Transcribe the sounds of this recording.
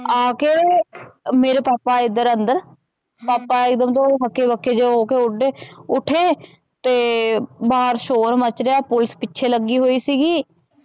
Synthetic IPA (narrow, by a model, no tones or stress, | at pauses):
aːkeːɽeːmeːɾeːpaːpːaːɪd̪əɾənd̪əɾ | paːpːaɪkd̪əmt̪õːɦəkːeːbəkːeːd͡ʒeɦoːkeʊɖeːʊʈʰeː | t̪eːbaːɾʃoːɾmət͡ʃɾeaːpʊlɪspɪːt͡ʃʰeːləɡiːɦoːiːsiːɡiː